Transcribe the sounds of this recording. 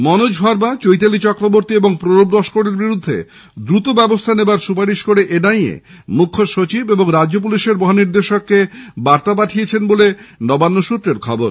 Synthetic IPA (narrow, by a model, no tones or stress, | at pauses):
mɔnod͡ʑbʱaɾbat͡ɕojt̪alit͡ɕɔkɾoboɾt̪ieboŋpɾoɾobɾɔʃkoɽeɾbiɾud̪ʱːḛ | d̪ɾut̪obɛbost̪ʰanebaɾʃupaɾiʃkoɾeʔenajḛ | mukʰːoʃot͡ɕibeboŋɾad͡ʑop̬uliʃeɾbɔɦaniɾd̪eʃokːebaɾt̪ap̬aʈʰiet͡ɕʰenbolenɔbanːoʃut̪ːɾeɾkʰɔboɾ